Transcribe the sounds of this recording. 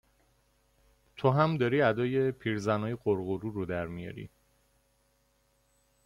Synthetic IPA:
t̪ʰoɦæmd̪ɒːɾiːæd̪ɒːje̞pʰiːɾzænɒːjeɢoɾɣoɾuɾod̪æɾmijɒ̰ɾḭː

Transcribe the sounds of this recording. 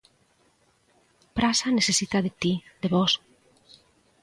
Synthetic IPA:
pɾʔasanesesit̪aðet̪id̪eβɔs

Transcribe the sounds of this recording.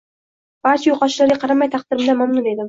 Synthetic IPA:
b̥aɾt͡ʃʰajoqʰɒʃɪlaɾɡʲaqʰɑɾamajt̪ʰɑq̚d̪̥ɪɾɪmd̪amamnʊne̞d̪ɪm

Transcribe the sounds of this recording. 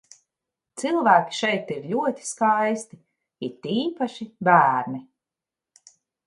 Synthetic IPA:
t̪silˠvæːkʲi̥ʃɛjt̪iɾlʲuɔt̪ʲi̥skajst̪i | it̪iːpaʃibæːɾni

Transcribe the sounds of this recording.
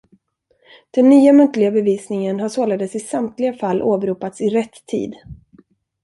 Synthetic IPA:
d̪̥ɛnːyːamɵnt̪lɪɡabɛviːsnɪŋənɦaʂoːlad̪əsɪsamt̪lɪɡafalːʔoːbɾuːpat̪sɪɾɛt̪ʰːḭːd̪

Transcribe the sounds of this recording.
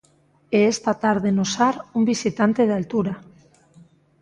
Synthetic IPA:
eest̪at̪aɾðenosaɾumbisit̪ant̪e̞ð̞alt̪uɾa

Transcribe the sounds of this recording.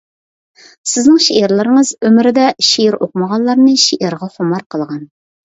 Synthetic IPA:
sɪznɪŋʃeʔeɾlˠɨɾɨŋəzømɪɾɪd̪ɛʃeɪɾoqməʁɑnlˠɑɾnɨʃeʔeɾʁɑχʊmɑɾqʰəlˠʁɑn

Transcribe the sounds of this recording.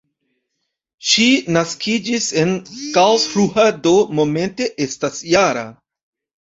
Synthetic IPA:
ʃinaskʰid͡ʒise̞nkalsfɾuhadomo̞me̞nte̞ʔe̞stasjaɾa̰

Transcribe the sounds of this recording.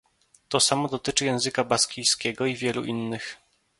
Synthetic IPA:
t̪ɔsamɔd̪ɔt̪ɘt͡ʂɘjɛ̃w̃zɘkabaskʲijskʲɛɡɔivʲjɛlṵʔinːɘx

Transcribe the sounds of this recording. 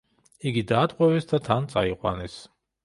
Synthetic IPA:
iɡid̪aːt̪ʼqʼwɛvɛsd̪at̪ʰant̪sʼaiqʼwa̰nɛs

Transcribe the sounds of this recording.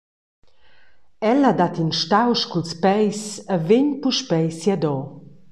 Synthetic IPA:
ɛlad̪at̪inʃtawʃkulspɛjsəveɲpuʃpɛjsjad̪ɔ

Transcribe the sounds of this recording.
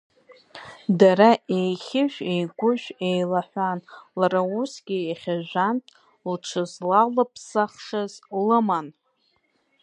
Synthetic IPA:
daɾaʔejχʲɪʒʷᶣejɡʷʊʒᶣʷejlaħʷanlarausɡʲɪeχʲaʒᶣʷantʼ | lʈ͡ʂʰɨzlalapʰsaχʂɨzlɨman

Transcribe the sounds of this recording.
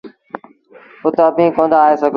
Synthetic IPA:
ʊt̪əəbʱĩːkõːnd̪aːeːsəɡ

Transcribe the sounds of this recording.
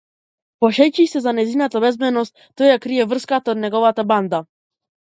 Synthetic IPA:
pɔɕɛjt͡ɕisɛzanɛzinat̪abɛzbɛnɔst̪ | t̪ːɔjakɾijɛvr̩skat̪ad̪nɛɡɔvat̪aband̪a

